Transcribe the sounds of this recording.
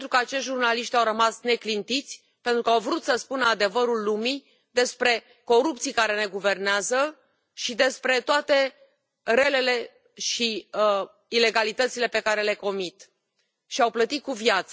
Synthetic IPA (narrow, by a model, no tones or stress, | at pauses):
t̪ɾukəat͡ʃeʃtʒurnaliʃt̪ʲawɾəmasne̞klint̪it̪sʲ | pe̞nt̪ɾukəawvɾut̪səspunəad̪e̞vəɾulːumi | d̪e̞spɾe̞ | ko̞ɾupt̪sijkaɾe̞ne̞ɡuve̞rneazə | ʃid̪e̞spɾe̞t̪oat̪e̞ | re̞le̞le̞ | ʃi | ile̞ɡalit̪ət̪sile̞pe̞kaɾe̞le̞ko̞mit̪ | ʃiawplət̪it̪̚kuvjat̪sə